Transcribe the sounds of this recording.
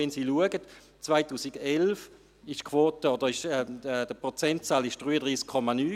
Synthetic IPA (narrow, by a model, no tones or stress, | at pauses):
ɛnsiːluəɡət | t͡svaɪtuːsiɡɛlf | ɪʃkʰvoːtəɔd̥əɪʃɛɛd̥əpʁɔt͡sɛnt̚t͡saːlɪʃd̥ʁyːədʁiːskʰːɔmanyː